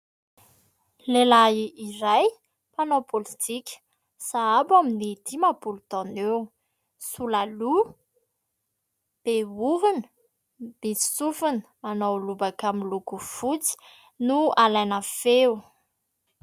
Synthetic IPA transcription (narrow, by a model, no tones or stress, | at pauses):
lelaiiraj | panopolit̪ʰikʲə̥ | saabaminid̪imabulud̪ɔnew | sulalu | b̥euɦunə̥ | misi̥sufunə̥manowlubakaminlukufut͡si̥ | nualajnafew